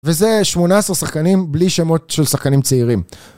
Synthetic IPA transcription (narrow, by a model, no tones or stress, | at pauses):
veze̞ʃmo̞naesaʁsaχkanimbliʃemo̞tʃelsaχkanimt͡seiʁim